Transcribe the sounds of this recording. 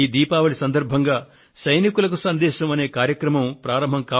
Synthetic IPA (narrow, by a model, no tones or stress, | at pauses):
iːd̪iːpaːʋɐɭisɐnd̪ɐɾbʱɐŋɡaː | sɐjnikulɐk̬usɐnd̪ɛːʃɐmɐne̞ːkaːɾjɐkɾɐmɐmpɾaːɾɐmbʱɐmkaː